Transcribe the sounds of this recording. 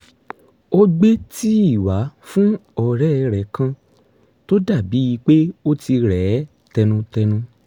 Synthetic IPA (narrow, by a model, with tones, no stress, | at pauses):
o˦ɡ͡be˦ti˦i˦˨wa˨˦fũ˦ɔ˦˨ɾɛ˦˧ɾɛ˨kã˧ | to˦da˦˨bi˨˦i˧k͡pe˦o˦ti˧ɾɛː˨˦ | tɛ˧nũ˧tɛ˧nũ˧